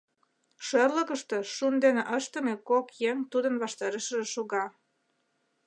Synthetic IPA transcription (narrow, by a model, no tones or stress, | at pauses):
ʃərlə̆kəʃt̪eʃund̪eneʔəʃt̪ə̆mekokjeŋt̪ud̪ənβɑʃt̪ɑɾeʃəʒeʃoɣɑ